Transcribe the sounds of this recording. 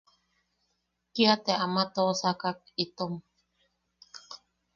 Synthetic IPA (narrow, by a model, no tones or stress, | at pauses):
kiat̪eʔamat̪osakak̚ | it̪om